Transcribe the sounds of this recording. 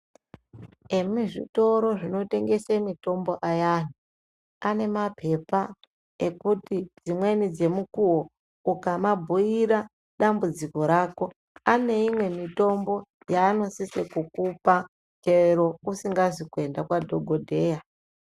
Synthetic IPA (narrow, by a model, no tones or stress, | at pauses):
e̞miʐḭto̞ɾo̞ʐino̞te̞ŋɡe̞semito̞mbo̞ʔajan̤u | ane̞mapʰe̞pa | e̞kutid͡zimwe̞nid͡ze̞mukuwo | ukamabʱuiɾa | ɗambud͡ziko̞ɾaːko̞ | ane̞imwe̞mito̞mbo̞ | jaːno̞sisekukupa | t͡ʃeɾo̞usiŋɡazikue̞ndakwadʱo̞ɡʱo̞dʱe̞ːja